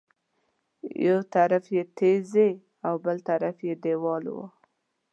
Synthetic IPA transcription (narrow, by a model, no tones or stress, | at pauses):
jawt̪aɾafjet̪ʰeze | awbəlt̪aɾafjed̪ewɑlwə̰